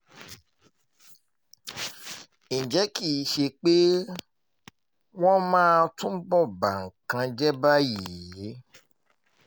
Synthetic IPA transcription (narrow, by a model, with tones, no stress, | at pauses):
ĩ˨d͡ʒɛ˨˦ki˦˨˦ʃe˧k͡pe˦ | w̃ɔ̃˦mãː˦tũ˦bɔ˦˨ba˨ŋ̩˨kã˧d͡ʒɛ˦ba˦ji˨je˨˦